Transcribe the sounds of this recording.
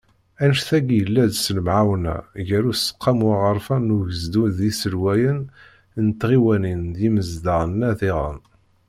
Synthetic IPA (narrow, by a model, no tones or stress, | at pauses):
ænʃθæɡjəlːæd̪sələmʕawnæ̰ʝæɾusə̥qʰːɑmwaʁəɾˤfænːuʝəzd̪unðisəlwæjən | nt̪ːʁiwænind̪jiməzd̪əənːæðiʁə̰m